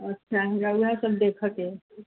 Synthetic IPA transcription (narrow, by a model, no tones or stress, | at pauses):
ətːʰaɦinauɦãsəb̚d̪ekʰəke